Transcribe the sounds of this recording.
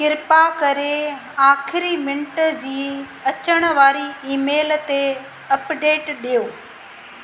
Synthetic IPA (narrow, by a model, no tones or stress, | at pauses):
kɪɾɪpakɐɾe | aːkʰɪɾimɪ̃ɳʈə̆d͡ʑiː | ɐt͡ɕəɽ̃ə̆ʋaːɾiʔiːmeːlt̪e | ɐpɖeːʈɗijoː